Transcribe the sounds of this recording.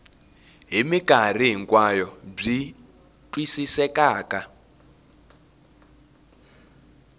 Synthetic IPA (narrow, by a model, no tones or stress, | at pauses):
ɦimikʼariɦiŋkʼwajɔb͡ʐi | twisisɛkʼaːkʼa